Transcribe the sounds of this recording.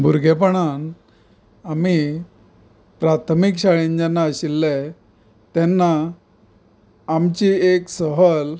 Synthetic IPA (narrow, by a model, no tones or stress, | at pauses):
bʱuɾɡʱepəɳan | ami | pɾat̪ʰmikɕaɭeɲd͡ʑanːaəɕilːɛ | t̪ɛnːa | mt͡ɕieksəɦəl